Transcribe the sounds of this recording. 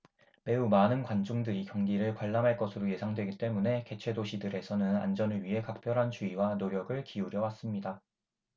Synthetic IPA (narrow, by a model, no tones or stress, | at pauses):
me̞umanɯnkwand͡ʑoŋdɯɾikjʌŋɡiɾɯɭkwaɭːamɦaɭk͈ʌsʰɯɾoje̞sʰaŋdwe̞ɡit͈e̞mune̞ke̞t͡ɕʰwe̞doɕʰidɯɾe̞sʰʌnɯna̰nd͡ʑʌnɯɭɥiɦe̞kak̚p͈jʌɾɦant͡ɕuiwanoɾjʌɡɯɭkiuɾjʌwas͈ɯmɲida